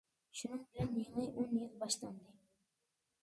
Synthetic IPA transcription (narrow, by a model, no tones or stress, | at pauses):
ʃunɨŋbɪlɛnjeŋɨjʔonjilˠbɑʃlˠɑnd̪ɨ